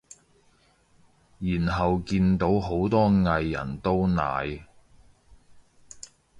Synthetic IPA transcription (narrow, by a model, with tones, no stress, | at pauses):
jiː˨˩nɦɐ˨wkiː˧nt̪o˨˥wɦo˨˥wt̪ɔː˥ŋɐ˧jːɐ̰˨˩nt̪o˥wna̰ː˨j